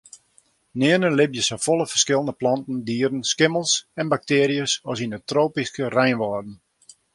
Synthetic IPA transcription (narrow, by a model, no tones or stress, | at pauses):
nɪənənlɪbjəsofɔlˠəfərskɪlˠəndəplɑntən̩diəɾən̩skɪməlˠsɛnbak̚tɪːɾijəsɔsinətroːpiskərɛjnʋɔːrdn̩